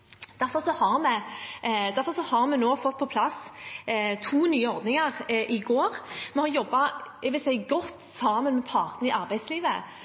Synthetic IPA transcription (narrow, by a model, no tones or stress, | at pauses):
d̪̥æɾfɔʁsɔhɑʁmɛ | d̪æʁfɔʁsɔhɑɾmɛnoːfɔt̪̚ːpʰɔpʰlɑs | t̪ʰuːnyːəɔɾd̪nɪŋəʁʔɪɡoːʁmɛhɑɾjɔbːɑɛʋɪlsɛɪɡɔt̪ːsɑːmənmɛpʰɑːʁt̪n̩ɪɑɾbæɪd̪sliːʋə̰